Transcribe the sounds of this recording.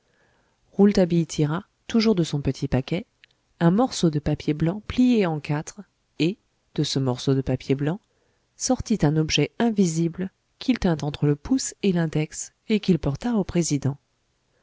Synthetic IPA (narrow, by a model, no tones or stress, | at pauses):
ʁult̪abijt̪ʰiʁa | t̪uʒuʁd̪əsɔ̃pət̪ʰipakʲɛ | ɛ̃mɔʁsod̪əpapjeblɑ̃plijeɑ̃kat̪χ | e | d̪̥əsəmɔʁsod̪əpapjeblɑ̃ | sɔʁt̪it̪ɛ̃nɔbʒɛɛ̃vizibl | kʲʰilt̪ɛ̃t̪ɑ̃t̪χələpuselɛ̃d̪ɛks | ekʲilpɔʁt̪aopχezid̪ɑ̃